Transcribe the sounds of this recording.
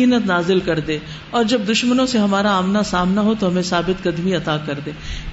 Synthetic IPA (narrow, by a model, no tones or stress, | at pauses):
ɪɦnət̪naːzɪlkɐɾd̪ẽː | ɔːɾd͡ʒɐb̚d̪ʊʃmənõseɦɐmaːɾaaːmnasaːmnaɦot̪oɦɐmẽsaːbɪt̪kɐd̪miɐt̪aːkɐɾd̪ẽː